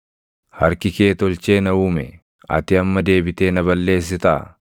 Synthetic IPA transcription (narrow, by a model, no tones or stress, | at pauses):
hɐɾkɪke̞ːt̪ɔlt͡ʃe̞ːnɐuːmɛ | ɐ̰t̪ɪɐmːɐd̪e̞ːbɪt̪e̞ːnɐbɐlːe̞ːs̬ːɪt̪ɐ̰ː